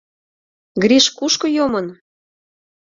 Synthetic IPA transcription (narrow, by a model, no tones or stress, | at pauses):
ɡɾiʃkuʃkɤ̆jomɤn